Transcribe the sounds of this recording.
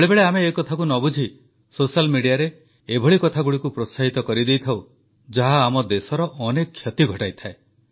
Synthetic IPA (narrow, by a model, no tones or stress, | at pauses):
beɭebeɭeameːkɔt̪ʰak̬unɔbud͡ʒʱi | sosalmiɽijaɾeː | bʱɔɭikɔt̪ʰaɡuɽikupɾosaɦit̪ɔkɔɾid̪ejt̪ʰaw | d͡ʒaɦaːmɔd̪esɔɾɔʔɔnekʰːjɔt̪iɡʱɔʈajt̪ʰae